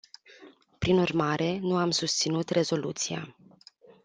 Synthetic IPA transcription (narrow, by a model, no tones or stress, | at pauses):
pɾinurmaɾe̞nuamsust̪sinut̪re̞zo̞lut̪sia̰